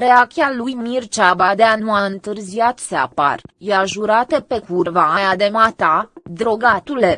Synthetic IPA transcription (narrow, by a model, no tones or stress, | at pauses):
ɾeak̚t͡ʃ̪ʲialujmirt͡ʃabad̪e̞anuaɨnt̪ɨrziat̪sea̰pa̰rjaʒuɾat̪əpe̞kurvaajad̪emat̪ad̪ɾoɡat̪ule